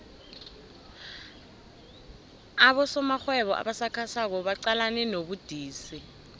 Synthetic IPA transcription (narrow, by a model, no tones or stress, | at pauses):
aɓɔsɔmaxwɛɓɔʔa̰ɓasakʰasak̬ɔɓaǀalanɛnoɓud̥ʱiːsi